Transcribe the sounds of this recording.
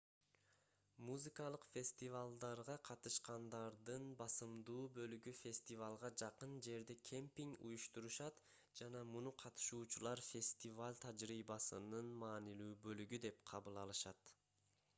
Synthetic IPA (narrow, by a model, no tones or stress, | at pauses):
muzɨkɑlˠɯqfʲe̞sʲt̪ʲivalˠd̪ɑɾʁɑqʰɑt̪ɯʃqɑnd̪ɑɾd̪ɯnbɑsɯmd̪uːbø̞lyɡyfʲe̞sʲt̪ʲivalˠʁɑd͡ʒɑqɯnd͡ʒe̞ɾd̪ekʲʰempʲiŋṵjuʃt̪uɾuʃɑt̪ | d͡ʒɑnɑmunuqʰɑt̪ɯ̥ʃuːt͡ʃulˠɑɾfʲe̞sʲt̪ʲivalʲt̪ʰad͡ʒɾiːbɑsɯ̰nɯnmɑːnilyːbølyɡyd̪e̞pqʰɑβɯlˠɑlˠɯʃɑt̪